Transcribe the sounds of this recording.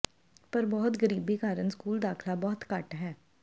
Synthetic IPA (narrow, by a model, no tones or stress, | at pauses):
pəɾbɔːt̪ɡəɾiːbiːkaːɾənskuːld̪aːkʰlaːbɔːt̪kəʈɦɛː